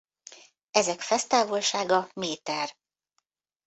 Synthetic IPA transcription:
ɛzɛkfɛst̪aːvolʃaːɡɒmeːt̪ɛr

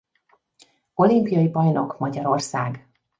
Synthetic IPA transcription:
o̞limpijɒjibɒjno̞kmɒɟɒɾo̞rsaːɡ

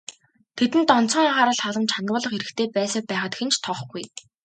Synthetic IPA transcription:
t̪ʰet̪ɘ̆nt̪ɔn̥t͡sɞ̆ŋjaʁaːɾə̆ɮχaɮə̆mt͡ɕʰanɡ̪ʊːɮɞ̆χeɾɘ̆xt̪ʰeːpæːsə̆pæːχə̆t̪xĕnt͡ɕʰt̪ʰɔχɡuj

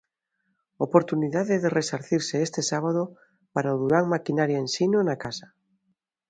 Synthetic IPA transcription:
opoɾt̪uniðaðeðeresaɾθiɾseest̪esaβ̞aðo | paɾaoðuɾaŋmakinaɾjaensinonakasḁ

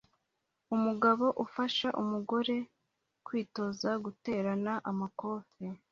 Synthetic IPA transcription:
umuɡaβo̞ʔufaʃaʔumuɡo̞ɾe̞ | kwiːto̞zaɡute̞ːɾanaʔamako̞ːfe

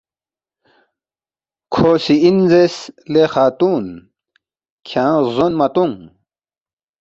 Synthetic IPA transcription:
kʰoːsiinzeslexaːt̪uːn | kʰjãːzonmɐt̪uŋ

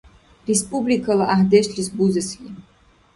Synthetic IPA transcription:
rɛspʼublikʰalaʔaɦd̪ɛʃlisbuzɛsɡʼi

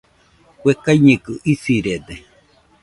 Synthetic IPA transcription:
wʷekajɲẽkɯʔisiɾed̪e

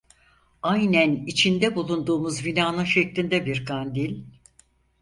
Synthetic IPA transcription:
ajnænit͡ʃʰind̪ɛbulˠund̪uːmuzvinaːnɯnʃɛclʲind̪ɛbiɾkʰand̪ilʲ

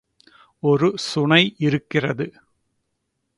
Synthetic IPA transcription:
ɔɾɯsʊɳɐɪʔɪɾɯkːɪrɐðɯ

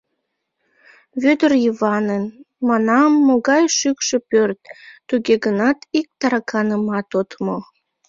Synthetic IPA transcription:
βød̪ərjəβɑnən | mɑnɑmːoɣɑjʃykʃepørt̪̚ːuɣeɣənɑt̪ik̚t̪ɑɾɑkʰɑnəmɑt̪ot̪mo

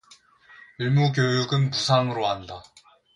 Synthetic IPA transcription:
iɭmuk̬jojuɡɯnpusʰaŋɯɾoɦanda

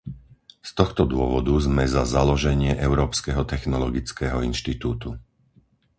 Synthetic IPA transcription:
st̪ɔxt̪ɔd̪ʊɔʋɔd̪uzmɛzazalɔʒɛɲɪɛʔɛʊɾɔːpskɛɦɔt̪ɛxnɔlɔɡit͡skɛɦɔinʃt̪it̪uːt̪u

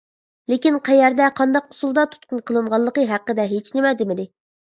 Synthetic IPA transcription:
lɪkʲinqʰæjɛɾd̪ɛqʰɑnd̪ɑq̚ːʰʊ̥sulˠd̪ɑt̪ʰu̥t̪̚qʰunqʰəlˠɨɴʁɑlˠːəqəɦæqːəd̪ɛɦet͡ʃʰnɪmɛd̪ɪmɪd̪ɪ

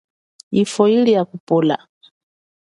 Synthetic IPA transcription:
ifɔilijakupɔla̰

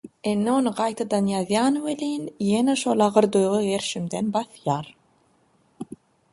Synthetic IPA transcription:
enːeonɯɢɑjt̪ʰɑd̪ɑnjɑðjɑːnwelʲiːnjeneʃo̞lˠɑʁɯɾd̪ojʁɯɣeɾʃimd̪enbɑθjɑːɾ

